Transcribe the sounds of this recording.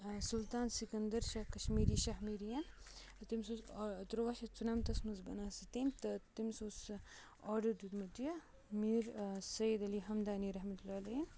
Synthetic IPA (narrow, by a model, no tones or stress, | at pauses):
sult̪aːnsikɐnd̪ɐɾʃɐkɐʃmiːɾiːʃɐɦmiːɾijɐn | t̪imsoːst̪ɾoʋaʃɐt͡sunɐmt̪ɐsmɐzbɐnasit̪emt̪ɐt̪imsoːs | ɔːɾɖɐɾd̪ud̪mɐt̪jɐ | miːɾsɐjid̪ɐliɦɐmd̪aːniɾɐɦmɐt̪ulaːlɐɦn